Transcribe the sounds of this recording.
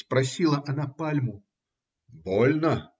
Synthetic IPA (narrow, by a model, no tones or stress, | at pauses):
pɾɐsʲilˠɐʔɐnapalʲmʊ | bɔlʲnə